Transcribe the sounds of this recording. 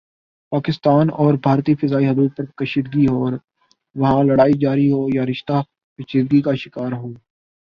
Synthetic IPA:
paːkɪst̪aːnɔːɾbʱaːɾt̪ifɪzaːiɦɐd̪uːd̪̚pɐɾkɐʃiːd̪ɡiɦoːɾ | ʋɐɦãlɐɽaːid͡ʒaːɾiɦoːjaɾɪʃt̪a | kɐʃiːd̪̚ɡikaʃɪkaːɾɦoː

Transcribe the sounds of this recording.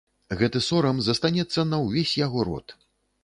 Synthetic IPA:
ɣɛt̪ɨsɔɾɐmzɐst̪anʲɛt̪sːɐnɐwvʲesʲjaɣɔɾɔ̰t̪

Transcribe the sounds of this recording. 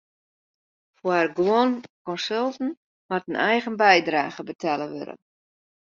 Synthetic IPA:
foərɡwɔnkɔnsølˠtn̩ | matənɛjɣənbɛjdraːɣəbətʰɛləʋø̰ɾə̰n

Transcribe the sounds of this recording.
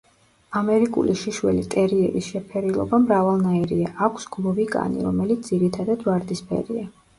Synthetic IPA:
amɛɾikʼṵliʃiʃwɛ̰lit̪ʼɛɾiɛ̰ɾisʃɛpʰɛɾilˠɔ̰bamɾavalˠnaɛɾiaʔakʷʰsɡ̥lˠɔvikʼa̰nḭɾɔmɛlit̪sd̪z̥iɾit̪ʰad̪ad̪vaɾd̪ispʰɛ̰ɾia

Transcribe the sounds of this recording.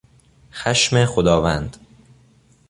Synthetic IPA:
xæʃmexod̪ɒːvænd̪̥

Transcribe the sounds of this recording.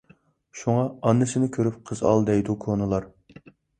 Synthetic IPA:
ʃuŋɑɑnːɨsɨnɨkʲʰøɾyp̚qʰəzɑ̰lˠd̪ɛjd̪ukʰonɨlˠɑɾ

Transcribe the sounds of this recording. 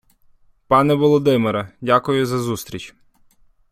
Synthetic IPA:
pɑnɛʋɔlˠɔd̪ɪmɪɾɐdʲakʊjʊzɐzust̪ʲɾʲit͡ʃ

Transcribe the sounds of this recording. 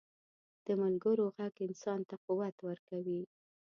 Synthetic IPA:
d̪̥əmʊlɡəɾoɣaɡɪnsɑnt̪aquwat̪wəɾkawi

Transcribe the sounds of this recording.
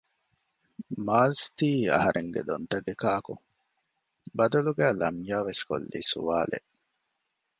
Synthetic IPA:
maːst̪iːɐ̰ɦɐɾʔeŋɡḛd̪ont̪ɐɡekaːkuŋ | bɐd̪ɐluɡæːlɐmjaːʋesko̰lːḭːsṵʋaːlḛʔ

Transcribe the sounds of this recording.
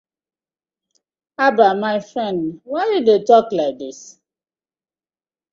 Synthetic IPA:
abamaɪfɹɛ̃ndwaɪdidetɔklaɪk̚dis

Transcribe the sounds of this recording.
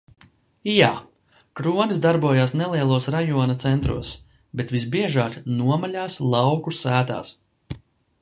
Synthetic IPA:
jaː | kɾuɔnisd̪aɾbuɔjaːsnɛlˠiɛlˠuɔsɾajuɔnat̪sɛnt̪ɾṵɔs | bet̪visbiɛʒaːknuɔmalʲaːslˠɑwkusæːt̪a̰ːs

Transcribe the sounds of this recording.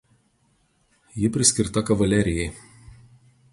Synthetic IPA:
jɪpʲɾʲɪsʲkʲɪɾt̪ɐkɐʋɐlʲɛɾʲɪjɛɪ

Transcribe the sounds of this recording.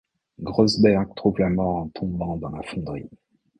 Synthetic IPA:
ɡʁɔzbɛʁɡ̚t̪χuvlamɔʁɑ̃t̪ʰɔ̃bɑ̃d̪ɑ̃lafɔ̃d̪ʁi

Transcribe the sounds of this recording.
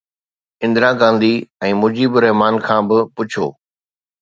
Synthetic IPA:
ɪ̃nd̪ɾaɡãːn̆d̪iɛ̃ːmʊd͡ʑiːbʊɾɛɦmaːnkʰãːbɪpʊt͡ɕʰo̰ː

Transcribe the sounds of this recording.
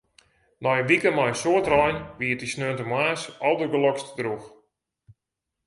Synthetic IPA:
nɔjəʋikəmɔjsoətrɔjnʋiətisnøːntəmwaːsɔlˠdərɡəlɔkstdrux

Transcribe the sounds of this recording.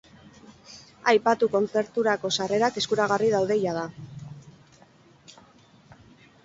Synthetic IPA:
ajpat̪uko̞nt͡se̞ɾt̪uɾako̞sare̞ɾake̞skuɾaɣ̞ariðawðe̞jað̞a

